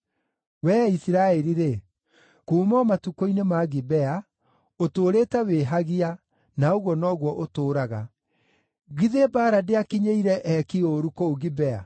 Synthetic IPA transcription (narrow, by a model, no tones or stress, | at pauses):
wɛːisiɾaɛɾiɾe | kuːmɔmatukoinemaɣibɛa | otoɾetɛweɦaɣia | naoɣwɔnɔːɣwɔʔotoːɾaɣa | ɣiðebaːɾadeakiɲeiɾɛʔɛkioɾukooɣibɛa̰